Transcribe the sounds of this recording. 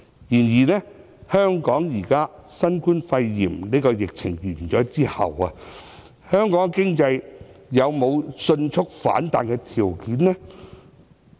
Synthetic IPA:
jiː˨˩njiː˨˩nɛː˥ | hœː˥ŋkɔː˨˥ŋjiː˨˩kaː˥sɐ˥nkuː˥nfɐ˧jːiː˨˩mne˥kɔː˧jɪ˨k̚t͡sʰɪ˨˩ŋjyː˨˩˨t͡ʃɔː˨˥t͡siː˥hɐ̰˨wɐ˧ | hœː˥ŋkɔː˨˥ŋkɪ˥ŋt͡sɐ˧jjɐ˨˧wmo˨˧wsɵ˧nt͡ʃʰʊ˥k̚fa̰ː˨˥nt̪a̰ː˧nkɛ˧t̪ʰiː˨˩wkiː˨˥nnɛː˥

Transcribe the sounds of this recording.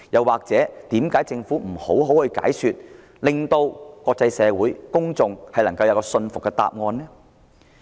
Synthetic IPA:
jɐ˨˧waː˨k̚t͡sɛː˨˥t̪iː˨˥mkaː˨˥jt͡sɪ˧ŋfuː˨˥m̩˨˩ho˨˥wɦo˨˥whɵ˧jka̰ː˨˥jsyː˨t̚ | lɪ˨ŋt̪o˧wkʷɔː˧k̚t͡sɐ˧jsɛː˨˧wuː˨˥jkʊ˥ŋt͡sʊ˨ŋhɐ˨jlɐ˨˩ŋkɐ˧wjɐ˨˧wkɔː˧sɵ˧nfʊ˨kːɛː˧t̪a̰ː˨p̚ŋɔː˧nlɛː˥

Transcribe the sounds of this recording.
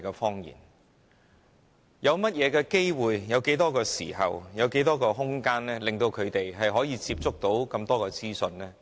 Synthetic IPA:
kɛː˧fɔː˥ŋjḭː˨˩n | jɐ˨˧wmɐ˥t̚jɛː˨˧kɛː˧ke˥jwuː˨jːɐ˨˧wke˨˥jt̪ɔː˥kɔː˧sḭː˨˩hɐ̰˨wjɐ˨˧wke˨˥jt̪ɔː˥kɔː˧ɦʊ˥ŋkaː˥nlɛː˥lɪ˨˩ŋt̪o˧wkʰɵ˨˧ɥt̪e˨jɦɐ˨jɦɔː˨˥jiː˨˧t͡siː˧p̚t͡sʊ˥k̚t̪o˨˥wkɐ˧mt̪ɔː˥kɔː˧t͡siː˥sɵ˧nlɛː˥

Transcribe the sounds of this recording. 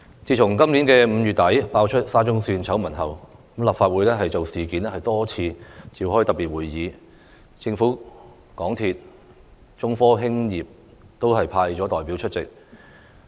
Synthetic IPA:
t͡siː˨˧t͡ʃʰʊ˨˩ŋkɐ˥mli˨˥nkɛː˧m̩˨˧jyː˨t̚t̪ɐ˨˥jpaː˧wt͡ʃʰɵ˥t̚saː˥t͡ʃʊ˥ŋsyː˧nt͡sʰɐ˨˥wmɐ˨˩nɦɐ˨wkmlɐ˨p̚faː˧t̚wuː˨˥jlɛː˥ɦɐ˨jt͡so˨wsiː˨kiː˨˥nɛ˥hɐ˨jt̪ɔː˥t͡sʰiː˧t͡siː˨˧whɔː˥jt̪ɐ˨piː˨t̚wuː˨˩jːiː˨˧˦ | t͡sɪ˧ŋfuː˨˥ | kɔː˨˥ŋt̪ʰi˧t̚ | t͡sʊ˥ŋfɔː˥ɦɪ˥ŋjiː˨p̚ | t̪o˥whɐ˨jpʰaː˧jt͡sɔ˨˥t̪ɔː˨jpiː˨˥wt͡ʃʰɵ˥t̚t͡sɪ˨k̚

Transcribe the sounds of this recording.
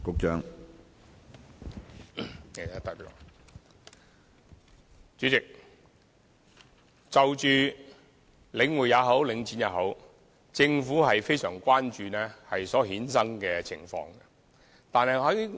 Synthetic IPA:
kʊ˨˧k̚t͡ʃœː˥ŋ | ɛ˨˩a˧t̪ɐ˥˨ɔ̰˨ | t͡ʃyː˨˥t͡sɪ˨k̚ | t͡sɐ˨wt͡ʃyː˨˧ | lɪ˨˧ŋwuː˨˩jaː˨˧ɦo˨˥wlɪ˨˧ŋt͡siː˨˥njaː˨˧ɦo˨˥w | t͡sɪ˧ŋfuː˨˥ɦɐ˨jfe˥jsœː˨˩ŋkʷaː˥nt͡ʃyː˨nɛː˥hɐ˨jsɔː˨˥ɦiː˨˥ns̬ɐ˥ŋkɛː˧t͡sʰɪ̰˨˩ŋfɔ̰ː˧ŋɡɛ˧ | t̪aː˨˧nɦɐ˨jɐ˨˥˨

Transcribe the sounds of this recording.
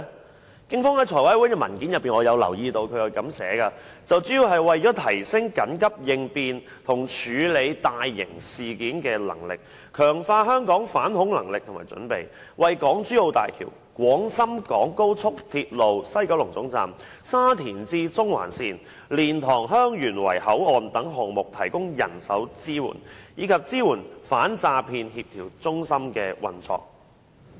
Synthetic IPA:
kɪ˥ŋfɔː˥ŋhɐ˨˥jt͡ʃʰɔː˨˩jwaː˨˥wuː˨˥nkɛː˧mɐ˨˩nkiː˨˥njɐ˨pːiː˨˩nŋɔː˨˧jɐ˨˧wlɐ̰˨˩wjiː˧t̪o˧wkʰɵ˨˧˥jɐ˨˧wkɐ˨˥msɛ̰ː˨˥kɐː˧t͡sɐ˨wt͡syː˨˥ji˨˧wɦɐ˨jwɐ˨jt͡ʃɔː˨˥t̪ʰɐ˨˩jsɪ˥ŋkɐ˨˥nkɐ˥p̚jɪ˨ŋpiː˨n | t̪ʰʊ˨˩ŋt͡ʃʰyː˨˧le˨˧jt̪aː˨jːɪ̰˨˩ŋsiː˨kiː˨˥nkɛː˧lɐ̰˨˩ŋlɪ̰˨k̚ | kʰœː˨˩ŋfaː˧ɦœː˥ŋkɔː˨˥ŋfaː˨˥nhʊ˨˥ŋlɐ˨˩ŋlɪ˨k̪̚ʰʊ˨˩ŋmaː˨˩t͡ʃɵ̰˨˥npḛ˨j | wɐ˨jkɔː˨˥ŋt͡sy˥lo˨˧wt̪a̰ː˨jkʰḭ˨˩w | kʷwɔː˨˥ŋsɐ˥mkɔː˨˥ŋko˥wt͡sʰʊ˥k̚t̪ʰiː˧t̚lo˨wsɐ˥jkɐ˨˥wlʊ˨˩ŋt͡sʊ˨˥ŋt͡sa̰ː˨m | saː˥t̪ʰiː˨˩nt͡siː˧t͡sʊ˥ŋwa̰ː˨˩nsiː˨˧n | liː˨˩nt̪ʰɔː˨˩ŋɦœː˥ŋjyː˨˩nwɐ̰˨˩jhɐ˨˥wɔː˨nt̪ɐ˨˥ŋɦɔː˨ŋmʊ˨k̚t̪ʰɐ˨˩jkʊ˥ŋjɐ̰˨˩nsɐ̰˨˥wt͡siː˥wṵː˨˩njiː˨˧kʰɐ˨p̚t͡siː˥wuː˨˩nfaː˨˥nt͡saː˧pʰiː˧nhi˧p̚t̪ʰiː˨˩wt͡sʊ˥ŋsɐ˥mkɛː˧wɐ̰˨nt͡sɔ̰ː˧k̚

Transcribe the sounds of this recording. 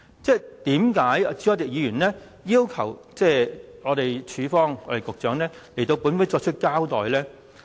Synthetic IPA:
t͡sɛː˥˩t̪iː˨˥mkaː˨˥jt͡si˧˥ɔː˨˧˩t̪ɪ˨k̚jiː˨˧jyː˨˩nlɛː˥ | jiː˥wkʰɐ˨˩wt͡sɛː˥ŋɔː˨˧t̪e˨jt͡ʃʰyː˨˧fɔː˥ŋɔː˧t̪e˨jkʊ˨k̚t͡ʃœː˨˥ŋlɛː˥le˨˩t̪o˧wpuː˨˥nwuː˨˥jt͡ʃɔː˧t͡ʃʰɵ˥t̚kaː˥wt̪ɔː˨jlɛː˥

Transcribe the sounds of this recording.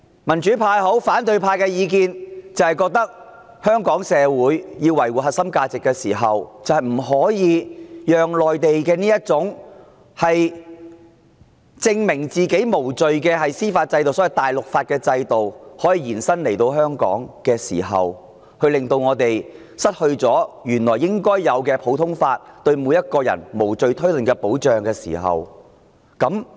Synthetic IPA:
mɐ˨˩nt͡ʃyː˨˥pʰaː˧jɦo˨˥wfaː˨˥nt̪ɵ˨˧ɥpʰaː˧jkɛː˧jiː˨˧k̬iː˧nt͡sɐ˨whɐ˨jkɔː˧k̚t̪ɐ˥k̚ | hœː˥ŋkɔː˨˥ŋsɛː˨˧wuː˨˥jjiː˧wɐ˨˩jwuː˨˩ɦɐ˨tsɐ˥mkaː˧t͡sɪ˨kːɛː˧siː˨˩ɦɐ˨wt͡sɐ˨whɐ˨jm̩˨˩ɦɔː˨˥jiː˨˧jœː˨ŋlɔː˨jt̪e˨jkɛː˧niː˥jɐ˥t̚t͡sʊ˨˥ŋ | hɐ˨j | t͡sɪ˧ŋmɪ˨˩ŋt͡siː˨ke˨˥jmo˨˩wt͡sɵ˨ɥkɛː˧hɐ˨jsiː˥faː˧t̚t͡sɐ˧jt̪o˨wsɔː˨˥jɐ˨˩jt̪aː˨jlʊ˨k̚faː˧t̚kɛː˧t͡sɐ˧jt̪o˨whɔː˨˥jiː˨˧jiː˨˩nsɐ˥nle˨˩jt̪o˧wɦœː˥ŋkɔ̰ː˨˥ŋkɛː˧siː˨˩ɦɐ̰˨w | hɵ˧ɥlɪ˨ŋt̪o˧wŋɔː˨˧t̪e˨j | sɐ˥t̚hɵ˧ɥt͡sɔː˨˥jyː˨˩nlɔː˨˩jːɪ˥ŋkɔː˥jːɐ˨˧wkɛː˧pʰo˨˥wt̪ʰʊ˥ŋfaː˧t̚t̪ɵ˧ɥmuː˨˧jːɐ˥t̚kɔː˧jɐ̰˨˩nmo˨˩wt͡sɵ˨ɥt̪ʰɵ˥ɥlɵ˨nkɛː˧po˨˥wt͡ʃœː˨ŋkɛː˧sḭː˨˩ɦɐ̰˨w | kɐ˨˥m

